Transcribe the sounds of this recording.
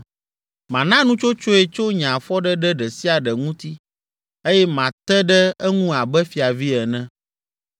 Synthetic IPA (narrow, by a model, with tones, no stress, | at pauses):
mã˨nã˦nũ˦t͡ʃo˦t͡ʃo˦ɛ˨t͡ʃo˦ɲã˨fɔ˦ɖɛ˦ɖɛ˦ɖɛ˨si˦a˨ɖɛ˨ŋũ˦t̪i˦ | e˦jɛ˦mã˨t̪ɛ˦ɖɛ˦ɛ˦ŋũ˦a˨bɛ˦fi˨a˨vi˦ɛ˨nɛ̃˦